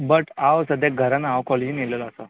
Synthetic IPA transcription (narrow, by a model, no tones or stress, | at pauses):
bəʈawsəd̪ʱjeɡʱəɾanaʋkɔled͡ʑiniləlasa